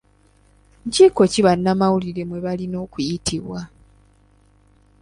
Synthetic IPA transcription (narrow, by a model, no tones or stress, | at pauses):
ɲciko̞ciβanːamawuliɾe̞mwe̞βalino̞ːkujitiβwa